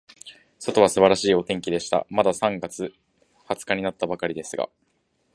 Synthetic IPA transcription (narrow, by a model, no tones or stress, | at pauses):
so̞t̪o̞β̞asɨbaɾaɕiːo̞t̪ẽ̞ŋkʲid̪e̞ɕi̥t̪a̰mad̪asãŋɡat͡sɨ | hat͡sɨ̥kaɲ̟inat̪ːabakaɾʲid̪e̞sɨɡa̰